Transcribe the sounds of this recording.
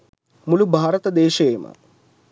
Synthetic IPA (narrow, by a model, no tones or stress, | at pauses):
mulubʱaːɾət̪əd̪eːʃɐjemə̰